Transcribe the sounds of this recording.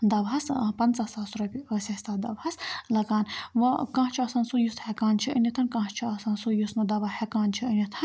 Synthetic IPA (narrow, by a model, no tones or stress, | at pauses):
d̪ɐʋɦɐspɐnt͡sasaːsɾɐpʲiəsʲɐsʲt̪aːd̪ɐbhɐslɐɡaːnʋɐkãːɦt͡ʃʰiɐsaːnsujust̪hɛkaːnt͡ʃʰiənit̪ʰɐnkãːɦt͡ʃʰiɐsaːnsujusnɐd̪ɐʋahɛkaːnt͡ʃʰiənʲit̪ʰɐn